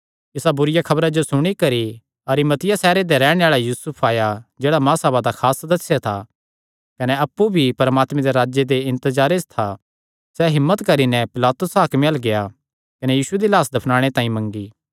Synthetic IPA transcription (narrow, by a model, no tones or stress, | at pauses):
ɪsabʊɾɪjakʰɐbɾad͡ʒosʊɽ̃ikɐɾi | ɐɾimɐt̪ɪjasɛːɾed̪eɾɛːɽ̃ẽaːɭajuːsʊpʰaːjad͡ʒeːɽamãːsɐbad̪akʰaːsd̪ɐsːjat̪ʰa | kɐnɛɐpːubʱipɐɾmaːt̪mẽd̪eɾaːd͡ʒjed̪eɪ̃nt̪əzaːɾed͡ʒt̪ʰa | sɛɦɪmːət̪kɐɾinɛ̃pɪlaːt̪ʊsɦaːkmelɡeja | kɐnɛjiːsued̪ilaːsd̪ʱɐpʰnãːɽ̃et̪ãːĩmɐ̃ŋɡiː